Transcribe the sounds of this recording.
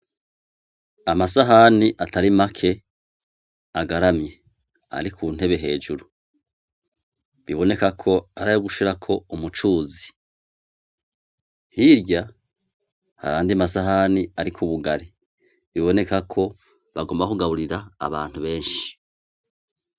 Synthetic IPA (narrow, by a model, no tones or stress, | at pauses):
amasaɦaniʔatʰaɾimakʰe̞ | aɡaɾamje̞ | a̰ɾikʰuːn̥he̞βe̞ɦe̞ːd͡ʒuɾu | βiβo̞ne̞kakʰo̞aɾajoɡuʃiɾakʰo̞umut͡ʃuːzi̥ | hiɾɟa | ha̰ɾaːndiamasaɦaniaɾikʰuβuɡaɾi | βiβo̞ne̞kakʰo̞ | βaɡoːmbakuɡaβuɾiɾa̰ːβaːn̥huβe̞ːnʃi̥